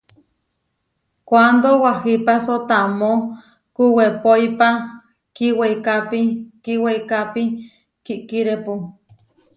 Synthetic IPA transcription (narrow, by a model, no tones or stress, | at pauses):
kʷand̪owahipasot̪amo | kuwepojpa | kiweikapikiweikapi | kiʔkiɾepu